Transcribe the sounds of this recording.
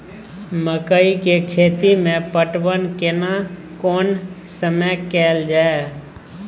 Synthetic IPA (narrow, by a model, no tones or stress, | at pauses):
məkəikekʰeːt̪imẽpəʈwənkena | kɔːnsəməjkɛːld͡ʒaːe